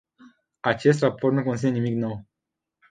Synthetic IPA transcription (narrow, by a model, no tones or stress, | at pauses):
at͡ʃe̞s̬t̪raport̪nukonsinenimikno̞w